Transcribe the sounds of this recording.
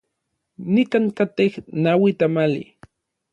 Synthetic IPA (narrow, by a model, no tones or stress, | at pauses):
nikaŋkat̪ehnawit̪amalḭ